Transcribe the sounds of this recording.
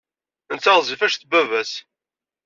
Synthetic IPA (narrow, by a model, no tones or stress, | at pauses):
nt͡sːɑʁˤzˤifæʃθbævæs